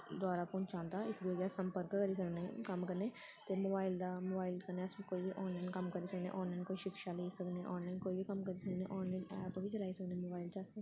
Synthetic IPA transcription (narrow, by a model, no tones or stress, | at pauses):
d̪waːɾapɔ̃ːɲt͡ʃãːnt̪aɪkd̪ʋɡjasɐ̃mpəɾkkəɾisɐknekɐmkɐɾne | t̪emoːbaːɪld̪amoːbaːɪlkɐɾneɐskoːibʱiʔɔːnlaːɪnkɐmkɐɾisɐknḛʔɔːnlaːɪnkoːiʃɪkʃaleisɐkneʔɔːnlaːɪnkoːibʱikɐmkɐɾisɐkneʔɔːnlaɪnaat̪õbʱit͡ʃɐlaːisɐknemoːbaːɪlt͡ʃaːse